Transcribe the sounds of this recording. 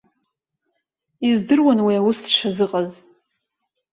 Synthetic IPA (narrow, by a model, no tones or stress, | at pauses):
izdɨrwanwiawʊsdʂʰazɨqʼaz